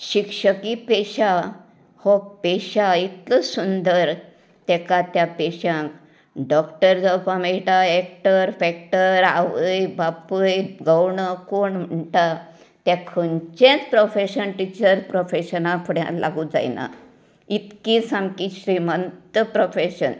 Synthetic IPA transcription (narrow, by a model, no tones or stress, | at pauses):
ɕikʂəkipeɕa | hɔpeɕait̪ləsund̪əɾ | t̪ɛkat̪japeɕãk | ɖɔkʈəɾd͡zəwpamejʈaɛk̚ʈəɾfɛkʈəɾa̰ʋəjbapəjɡəwɳəkoɳm̤əɳʈa | t̪ãkʰənt͡ɕẽt͡spɾofeɕənʈit͡ɕəɾpɾofeɕənãpʰəɽjã̰lʔa̰ɡud͡za̰jna̰ | it̪kisamkiɕɾimənt̪əpɾofeɕən